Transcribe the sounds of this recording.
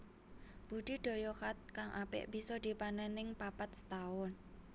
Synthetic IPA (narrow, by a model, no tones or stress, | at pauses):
b̥ud̥i̤ɖ̪̥o̤jɔhat̪̚kaŋʔapɪ̰ʔb̥i̤sɔd̪̥i̤panənɪŋpapat̪̚sə̥t̪aʊn